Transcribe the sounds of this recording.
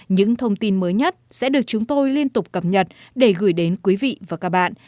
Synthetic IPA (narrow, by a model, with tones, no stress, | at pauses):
ɲɨ̰˧˥ŋt̪ʰə˧wŋ͡mt̪i˧nməː˨˦jɲə˦˥t̚sɛ̰˧˥ɗɨ˨˩ək̚t͡ɕʊ˨˦ŋ͡mt̪o˧jli˧ənt̪ʊ˨˩k͡p̚kːə˨˩p̚ɲə˨˩t̚ɗe˧˩ɣɨ˧˩jɗe˨˦nkwi˨˦vḭ˧˨vaː˨˩kaː˦˥k̚ɓa̰ː˧˨nʔ